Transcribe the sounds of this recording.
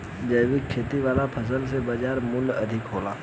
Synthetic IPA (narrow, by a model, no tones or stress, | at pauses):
d͡ʒəːʋikʰːeːt̪iʋaːlapʰɐs̬əlsebad͡ʒaːɾmʊlɐd̪ʱɪkɦoːlaː